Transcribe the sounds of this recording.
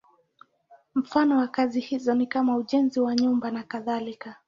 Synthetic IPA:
m̩fanɔwakazihizɔnikamauʄɛnziwaɲumbanakaðalika

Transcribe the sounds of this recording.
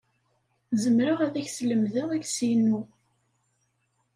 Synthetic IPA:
zəmɾəʁæðæçsləmðəʁæɡsjənːu

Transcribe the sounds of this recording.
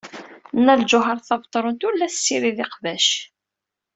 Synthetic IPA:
nːæld͡ʒʊɦəɾˤθɑvt̪ˤːɾˤʊnt̪ulːæθsːiɾiðɪqvæʃ

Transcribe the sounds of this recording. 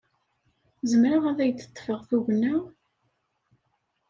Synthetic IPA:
zəmɾaʁæðæjət͡s̪ːə̥t̪ˤːfəʁθuʝnːæ

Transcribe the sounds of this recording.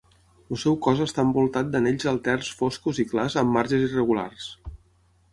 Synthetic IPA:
əsɛwkɔzəst̪aəmbulˠt̪at̪̚d̪əneʎzəlˠt̪ɛrsfoskuziklazəmːaɾʒəzirəɣula̰rs

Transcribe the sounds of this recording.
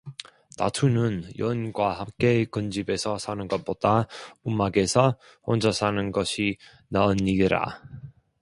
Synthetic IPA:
na̰tʰunɯnjʌnɡwahamk͈e̞kɯnd͡ʑibe̞sʰʌsʰanɯnɡʌt̚p͈od̥aumaɡe̞sʰʌ | hond͡ʑʌsʰanɯnɡʌɕʰi | naɯniɡiɾa̰

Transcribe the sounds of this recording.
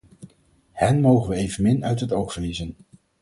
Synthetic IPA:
hɛnmowχənʋəejvənmɪnœɥtɦətowχfəɹlizən

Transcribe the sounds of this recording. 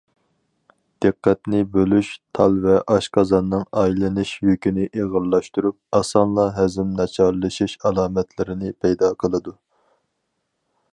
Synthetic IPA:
d̪̥ɨqːɛt̪nɪbølyʃt̪ʰɑlˠvɛʔɑʃqʰɑzɑnːɨŋɑjlɨnɨʃjykʲinɪʔeʁəɾlˠɑʃt̪uɾup̚ɑsɑnlˠɑɦæzɪmnɑt͡ʃʰɑɾlˠɨʃiʃɑlˠɑːmɛt̪ʰlɪɾɪnɪpʰɛjd̪ɑqʰəlˠɨd̪u

